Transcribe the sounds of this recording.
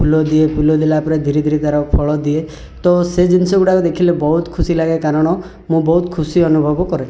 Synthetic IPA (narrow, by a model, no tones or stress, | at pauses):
pʰulɔd̪iepʰulɔd̪ilaːpɔɾed̪ʱiɾid̪ʱiɾid̪ʱaɾɔpʰɔɭɔd̪ie | t̪ɔsed͡ʒinisɔɡuʈakud̪ekʰilebɔɦut̪kʰusilaɡekaɾɔɽ̃ɔ | mũbɔɦut̪kʰusiɔnubʱɔbɔkɔɾe